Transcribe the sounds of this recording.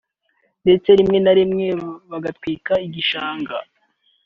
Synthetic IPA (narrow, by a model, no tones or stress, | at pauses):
nde̞t͡se̞ɾimŋe̞naɾimŋeβaɡatwiːkaiɟiʃaːŋɡa